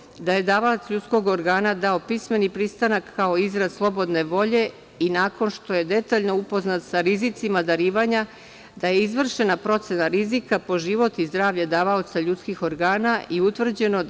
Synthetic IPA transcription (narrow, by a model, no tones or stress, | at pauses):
d̪aje̞d̪aːʋalt̪sʎut̪sko̞ɡoɾɡaːnad̪ao̞pisme̞nipɾist̪anakːao̞izɾad̪slˠo̞bo̞d̪ne̞ʋo̞ʎe̞ | inaːko̞nʃt̪o̞je̞d̪e̞t̪aʎno̞upo̞znat̪saɾizit̪simad̪aɾiːʋaɲa | d̪aje̞izʋr̩ʃe̞napɾo̞t̪senaɾizikapo̞ʒiʋo̞t̪izd̪ɾaːʋʎad̪aːʋaot̪saʎut̪skixo̞ɾɡaːnaʔiut̪ʋr̩d͡ʑe̞no̞